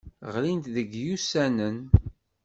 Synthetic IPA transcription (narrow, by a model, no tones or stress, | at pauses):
ʁlint̪ðəɡjusænən